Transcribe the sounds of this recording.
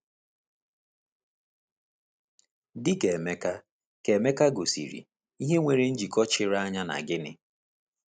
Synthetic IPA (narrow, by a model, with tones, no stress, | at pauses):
dɪ˦ke˨me˦ka˦ | ke˨me˦ka˦ɡo˨sḭ˨ɾḭ˨ | i˦ɦe˦ŋʷe˨ɾe˦n̩˦d͡ʒi˨kɔ˦t͡ʃɪ˦ɾa˦ɲa˦na̰˨ɡɪ˦nɪ˦